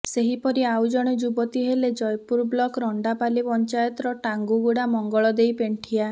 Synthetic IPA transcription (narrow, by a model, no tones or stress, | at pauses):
seɦipɔɾiawd͡ʒɔɽ̃ed͡ʒubɔt̪iɦeled͡ʒɔjpuɾblɔkɾɔɳɖapalipɔnt͡ʃajɔt̪ɾɔʈaŋɡuɡuɽamɔŋɡɔɭɔd̪ejpeɳʈʰia